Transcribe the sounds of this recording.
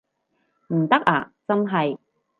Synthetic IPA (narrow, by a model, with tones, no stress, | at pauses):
m̩˨˩t̪ɐ˥k̚aː˨˩t͡sɐ˧nɦɐ˨j